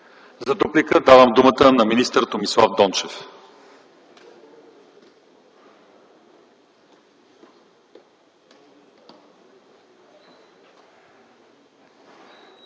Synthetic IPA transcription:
zɐt̪uplikəd̪avəmd̪umət̪ənɐminist̪əɾt̪omislˠavd̪ɔnt͡ʃɛf

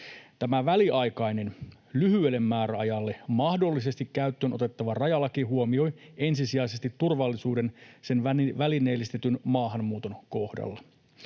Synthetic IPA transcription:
t̪æmæʋæliɑjkɑjne̞n | lyhyelːe̞mːæːɾæɑjɑlːe̞mɑhdo̞lːise̞st̪ikkːæyt̪ːøːno̞t̪e̞t̪ːɑʋɑrɑjɑlːɑkiɦuo̞mio̞je̞nsisiɑjse̞st̪it̪ːurʋɑlːisuːde̞nse̞nʋæline̞ːlːist̪et̪ynmɑːɦɑmːuːt̪o̞nko̞hdɑ̰lːɑ

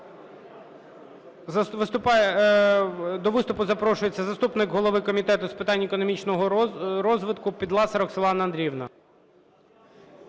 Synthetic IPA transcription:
ʋɪst̪ʊp | d̪ɔʋɪst̪ʊpʊzɐpɾɔʃʊjet͡sʲːɐzɐst̪upnɪkɦɔlˠɔʋɪkɔmʲit̪ɛt̪ʊspɪt̪ɑnʲːekɔnɔmʲit͡ʃnɔɦɾɔzʋɪt̪kʊpʲid̪lˠɑsɐɾɔkselˠɑnɐɐnd̪ɾʲiwnɐ

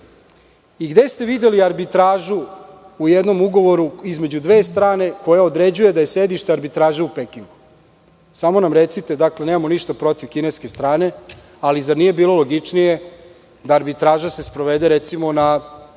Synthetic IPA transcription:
iɡd̪est̪e̞ʋid̪eliaɾbit̪ɾaːʒu | ujed̪no̞muɡo̞ʋo̞ɾuizme̞d͡ʑud̪ʋeːst̪ɾaːne̞ko̞jaod̪ɾe̞d͡ʑuje̞d̪ajesed̪iʃt̪eaɾbit̪ɾaːʒeupekiŋɡu | samo̞namɾet̪sit̪e̞d̪akle̞nemamo̞niʃt̪apɾo̞t̪iʋkine̞ske̞st̪ɾaːne̞ | alizad̪nije̞biːlˠolo̞ɡit͡ʂnije | d̪aːɾbit̪ɾaːʒase̞spɾo̞ʋed̪e̞ɾet̪simo̞na

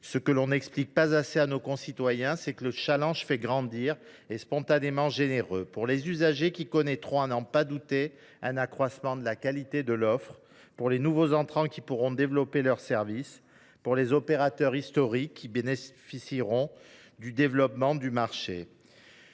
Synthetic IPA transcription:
səkəlɔ̃nɛksplik̚pazaseanokɔ̃sit̪wajɛ̃sɛkələʃalɑ̃ʒfɛɡʁɑ̃d̪iʁ | espɔ̃t̪anemɑ̃ʒeneʁøpuʁlezyzaʒekʲikɔnɛt̪χɔ̃anɑ̃pad̪ut̪e | ɛ̃nakχwasmɑ̃d̪əlakalit̪ed̪əlɔfχ | puʁlenuvozɑ̃t̪χɑ̃kʲipuʁɔ̃d̪evlɔpelœʁsɛʁvis | puʁlezɔpeʁat̪œʁist̪ɔʁikːibenefisiʁɔ̃ | d̪yd̪evlɔpmɑ̃d̪ymaʁʃḛ

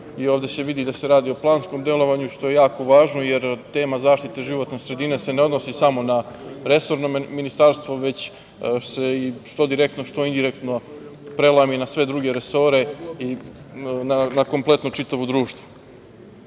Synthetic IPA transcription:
ioːʋd̪e̞se̞ʋid̪id̪ase̞ɾaːd̪io̞plˠaːnsko̞md̪e̞lˠo̞ʋaɲuʃt̪o̞jejaːko̞ʋaːʒnojeɾt̪e̞ːmazaːʃt̪it̪eʒiʋo̞t̪nesɾe̞d̪ine̞se̞ne̞od̪nosisamo̞naɾe̞so̞ɾnominist̪aɾst̪vʋo̞ʋe̞t͡ɕ | seiʃt̪od̪iɾe̞k̚t̪noʃt̪o̞ind̪iɾekt̪no̞pɾe̞laminasʋe̞d̪ɾuɡe̞ɾeso̞ɾe̞i | nanako̞mplˠe̞t̪noʈ͡ʂit̪aʋod̪ɾuːʂt̪vo

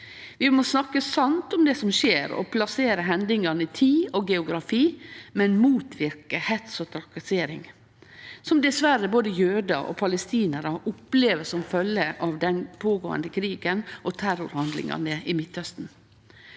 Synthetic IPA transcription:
ʋɪmoːsnɑkːəsɑnt̪ʊmd̪ɛsɔmʃeːɾɔ̰pʰlɑseːɾəɦɛnd̪ɪŋɑnəɪt̪ʰiːɔɡɛʊɡɾɑfiːmɛnmuːt̪ʋɪɾkəhɛt̪sɔt̪ʰɾɑkɑseːɾɪŋ | sɔmd̪ɛsʋæɾəboːd̪əjøːd̪ɑʔɔ̰pʰɑləst̪iːnəɾəʔʊpleːʋəsɔmfœlːəʔɑʋd̪ɛnpʰoːɡo̰ːə̰nd̪əkʰɾiːɡənʔɔt̪ʰæɾʊɾhɑnd̪lɪ̰ŋɑ̰nəɪmɪt̪hœst̪n̩

